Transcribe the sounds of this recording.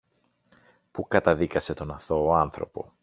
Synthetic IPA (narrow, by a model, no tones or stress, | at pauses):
pukɐt̪ɐðikɐse̞t̪o̞nɐθo̞ːɐnθɾo̞̰po̞